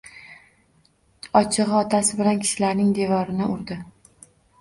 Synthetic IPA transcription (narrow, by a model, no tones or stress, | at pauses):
ɒt͡ʃʰɨʁɒt̪ʰasɪbɪlankʲʰɪ̥ʃɪlaɾnɪŋd̪e̞vɒɾɪnɪʊɾd̪ɪ